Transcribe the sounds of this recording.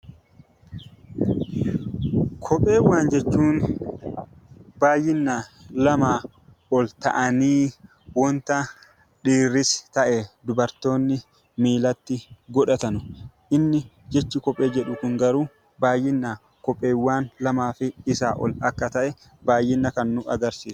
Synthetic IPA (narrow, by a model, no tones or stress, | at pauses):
kʰɔpʼːe̞ːɪwːaːnd͡ʒɛt͡ʃːuːn | baːjːɪnːalɐmaː | ɔlt̪ɐ̰ʔɐniː | wɔnt̪ɐ | ᶑiːrːɪst̪ɐʔɛd̪ʊbɐɾt̪o̞ːnːɪ | miːlɐt̪ːɪɡɔᶑɐt̪ɐnʊ | ʔɪnːɪ | d͡ʒɛt͡ʃːɪkɔpʼːeːd͡ʒɛᶑʊkʊŋɡɐɾuː | baːjːɪnːa | kɔpʼːe̞ːwːaːnlɐmaːfɪɪsa̰ːʔɔ̰lɐkːɐt̪ɐʔɛ | baːjːɪnːɐkɐnːʊʔɐ̰ɡɐɾsiːsʊ̥